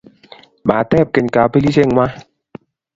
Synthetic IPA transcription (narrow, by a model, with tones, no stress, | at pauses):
ɓa˨tɛ˦˨p̚ke˨ɲ˨ka˨pe˦li˦se˦˨ŋʷwa˦